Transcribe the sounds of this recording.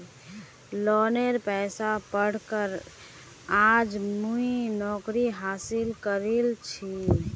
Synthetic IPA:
lɔneɾpɛːsapəɽ̤kəɾ | ad͡ʒmuinɔkɾiɦaːsilkəɾelt͡ʃʰi

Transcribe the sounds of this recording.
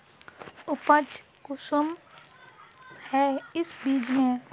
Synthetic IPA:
ʊpət͡ʃ | kʊsəm | hɛːɪsbiːd͡ʒmẽ

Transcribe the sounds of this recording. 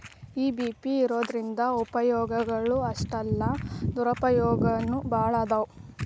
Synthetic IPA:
iːbiːpiːɾoːd̪ɾind̪ɐupɐjɔːɡɐɡɐɭuɐʂʈɐlːɐd̪uɾɐpɐjɔːɡɐnːubaːɭɐd̪ɐu

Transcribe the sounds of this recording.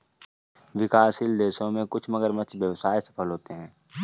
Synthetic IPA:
ʋɪkaːsild̪eːʃõmẽkʊt͡ʃʰməɡəɾmət͡ʃʋjəʋsaːisɐ̥pʰəlɦoːt̪eɦɛ̃ː

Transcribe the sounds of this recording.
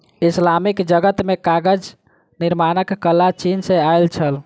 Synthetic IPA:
islamikd͡ʒəɡət̪mekaɡəd͡ʒ | niɾmanəkːəlat͡ʃinsẽajlt͡ʃʰəl

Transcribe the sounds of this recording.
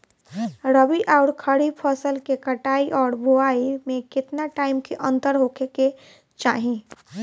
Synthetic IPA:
ɾəbiʔaʊɾkʰəɽipʰəsəlkekəʈaːiʔɔːɾbʱoaːimẽkɪt̪naʈaːɪmkʰeʔə̃nt̪əɾɦoːkʰeke | t͡ʃa̰ːɦĩ

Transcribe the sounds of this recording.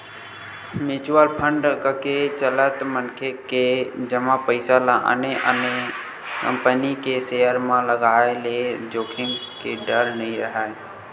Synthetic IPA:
mɪt͡ʃʋəlpʰə̃ɳɖkəket͡ʃələt̪mənkʰeked͡ʒəmãpəɪsalãʔə̰neʔə̰ne | kə̰̃mpənikesejəɾmãləɡaːeled͡ʒoːkʰɪmkeɖəɾnəɦĩɾəɦaːe

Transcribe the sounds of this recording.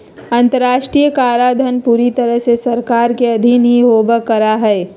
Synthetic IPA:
ɐ̃nt̪əɾaːʃʈɾiːjəkaːɾaːd̪ʱənpuːɾit̪ɐɾəɦsesɐɾkaːɾkeɐd̪ʱinĩɦoːbəkːɐɾaɦɛː

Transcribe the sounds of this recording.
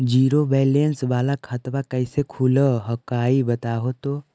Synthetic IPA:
d͡ʒiːɾobɛːlənsʋaːlakʰɐt̪ʋakəɪsekʰuləɦəkaːibɐt̪aːɦot̪oː

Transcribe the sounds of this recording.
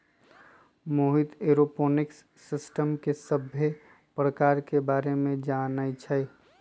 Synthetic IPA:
moːɦɪt̪eɾopoːnɪksːɪsʈəmkesəbʱːe | pɾəkaːɾkebaːɾemẽd͡ʒaːnait͡ʃʰə

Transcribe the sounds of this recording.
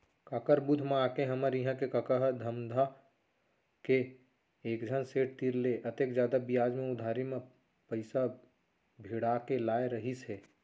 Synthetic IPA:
kakəɾbʊd̪ʱmẽaːkeɦəməɾiɦãkekəkəɦd̪ʱəmd̪ʱa | ke | eːkd͡ʒʱənseːʈ̚t̪iɾleʔət̪ekd͡ʒjaːd̪abijaːd͡ʒmẽʊd̪ʱaːɾimẽ | pəɪsa | bʱiɽakelaːeɾəɦisɦɛː

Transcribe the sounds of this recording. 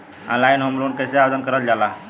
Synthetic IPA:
ã̰lainɦəmɾoɳkəseaʋd͡zənkəɾət̪d͡ʑala

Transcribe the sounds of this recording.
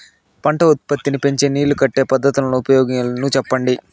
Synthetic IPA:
pɐɳʈɐut̪̚pɐt̪ːinipe̞ɲt͡ʃeːniːlukɐʈːe̞ːpɐd̪ʱːɐt̪ulɐnuupɐjɔːɡilɐnut͡ʃɛpːɐɳɖi

